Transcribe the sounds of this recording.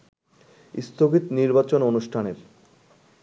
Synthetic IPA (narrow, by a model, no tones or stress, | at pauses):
ḭst̪ʰoɡit̪niɾbat͡ɕononuʃʈʰaneɾ